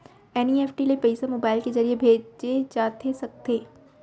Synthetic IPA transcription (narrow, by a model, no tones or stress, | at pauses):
ɛːnieːfʰʈilepɐɪsamoːbaːɪlkezɐɾiebʱeːd͡ʒd͡ʒed͡ʒaːt̪ʰesɐk̚t̪eː